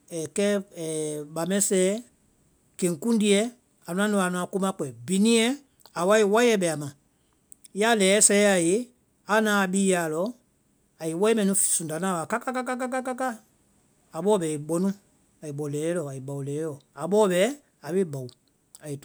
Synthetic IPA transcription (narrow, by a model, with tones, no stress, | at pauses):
ɛː˨kɛ˦ɛ˨ɓa˨mɛ̃˦sɛː˨˦ | kẽ˨ŋ˨kũ˦n˦di˦ɛ˦ | a˨nũ˦ã˦nĩ˦a˨nũ˨ã˧ku˦mã˦k͡pɛ˨bi˨nĩ˦ɛ˦ | a˨wa˦i˨wa˦i˦ɛ˦ɓɛ˨a˨mã˨ | ja˦lɛː˨˦sɛː˦a˨je˨˦ | a˨˦nãː˨˦˨ɓiː˦ja˨lɔ˨˦ | a˨i˨wa˦i˦mɛ̃˨nũ˧fsũ˨nda˨nã˦˨wa˨ka˦ka˦ka˦ka˦ka˦ka˦ka˦ka˦ | a˨ɓɔː˦ɓɛ˨i˨ɓɔ˧nũ˦ | a˨i˨ɓɔ˨lɛː˨˦lɔ˨a˨i˨ba˨u˨lɛː˨˦lɔ˨a˨ɓɔː˦ɓɛ˨ | a˨ɓe˦ba˨u˨ | a˨i˨t